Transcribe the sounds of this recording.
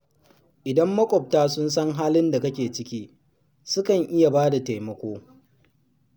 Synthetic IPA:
ʔɪ˨dɐ˦mːɐ˦kʷʼɔ˨p̚taː˦sʊ˦ns̬ɐ˦ŋɦaː˦lɪ˦nda˨kɐ˦kʲeː˨t͡ʃɪ˦kʲiː˦ | sʊ˦kɐ˨ŋʔɪ˦ja˨baː˦da˨ta˨jmɐ˦kʷoː˦

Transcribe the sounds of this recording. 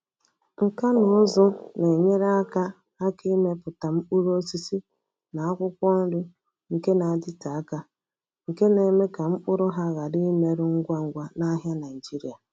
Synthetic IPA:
ŋ̩˨ka˦nʊ˨ʊ˦zʊ˦ne˨ɲe˦ɾa˦ka˦ | a˦ki˦me˦pʊ˨ta˨m̩˦k͡pu˦ɾo˦si˦si˦ | na˨a˦kʷʊ˦kʷɔ˦n̩˦dʊ˦ | ŋ̩˨ke˦na˨a˨dɪ˦ta˨a˦ka˦ | ŋ̩˨ke˦ne˨me˦ka˨m̩˦k͡pʊ˦ɾʊ˦ɦa˦ɣa˨di˦me˨ɾʊ˦ŋ̩˦ɡʷa˦ŋ̩˦ɡʷa˦na˦ɦja˦na˨i˨d͡ʒi˦ɾi˦˨a˨

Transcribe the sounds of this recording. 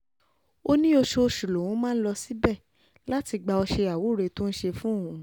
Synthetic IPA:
o˧nĩ˦o˧ʃo˧ʃu˨lo˨wũ˨˦mãː˦n̩˦lɔ˧si˦bɛ˦˨ | la˦ti˧ɡ͡ba˧ɔ˧ʃe˧a˨wo˨˦˨ɾe˨˧to˦n̩˦ʃe˧fũ˦õ˦˨ũ˨

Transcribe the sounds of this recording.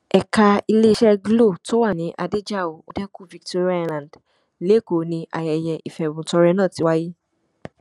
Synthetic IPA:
ɛ˨ka˧i˧le˦ʃɛ˦ɡlo˦˨to˦wa˦˨nĩ˨˦ʔa˧de˦d͡ʒa˦˨o˨o˦dɛ˦ku˦˨vi˨˧kto˧ɾi˦a˧lã˨d | le˨˦˨ko˨nĩ˧ʔa̰˨jɛ˨jɛ˨ʔi˨fɛ˨wũ˨˦tɔ˧ɾɛ˧nãː˦˨ti˨˦wa˦ji˦

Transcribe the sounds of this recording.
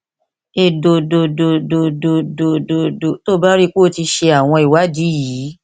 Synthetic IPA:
e˧˨do˧do˧do˧˨do˧do˧do˧˨do˧˨do˨to˦ba˦ɾi˦k͡po˦˨˦ti˧ʃe˧a˨w̃ɔ̃˧i˨wa˨˦di˨˦jiː˨˦

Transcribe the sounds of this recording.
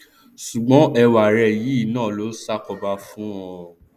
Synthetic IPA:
ʃu˨ɡ͡bɔ̃˨˦ɛ˧wa˨ɾɛ˧˨ji˨˦i˦˨nãː˦˨lo˨˦sa˦kɔ˧ba˧fũ˦ɔ̃˧˨

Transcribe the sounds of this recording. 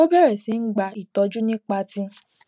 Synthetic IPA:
o˦bɛ˦˨ɾɛ˨sĩ˨˧˦n̩˦ɡ͡ba˧˨i˦˨tɔ˨˦d͡ʒu˦nĩ˦k͡pa˧˦tĩ˦

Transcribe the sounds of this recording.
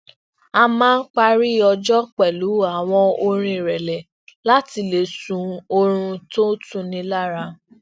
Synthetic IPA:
a˧mãː˦n̩˦k͡pa˧ɾi˦˨ɔ˧d͡ʒɔ˦k͡pɛ˨lu˨˦a˨w̃ɔ̃˧o˧ɾ̃ĩ˧˨ɾɛ˨lɛ˨ | la˦ti˧le˨sũ˨˧o˧ɾ̃ũ˧to˦tũ˦˧nĩ˧la˦˨ɾa˧

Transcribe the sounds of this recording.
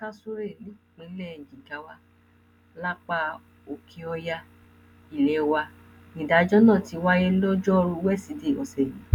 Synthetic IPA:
ta˦su˦ɾe˦˨lĩ˨˦˨k͡pĩ˧˦lɛ˦˨d͡ʒĩ˨ɡa˨˦wa˦ | la˦k͡pa˧˦ | o˧˨kʰi˧ɔ˧ja˧ | i˨lɛ˨˦wa˧ | nĩ˨da˨˦d͡ʒɔ˦nã˦˨ti˨˧wa˦jɛ˦lɔ˦d͡ʒɔ˦ɾu˧wɛ˦˨si˧de˦˨ɔ̰˨sɛ˨jĩ˨˦

